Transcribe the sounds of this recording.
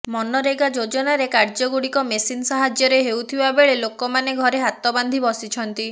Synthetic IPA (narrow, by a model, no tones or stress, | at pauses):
mɔnɔɾeɡad͡ʒod͡ʒɔnaɾekaɾd͡ʒɔɡuɽikɔmesinsaɦad͡ʒjɔɾeɦewt̪ʰibabeɭelokɔmaneɡʱɔɾeɦat̪ɔband̪ʱibɔsit͡ʃʰɔnt̪i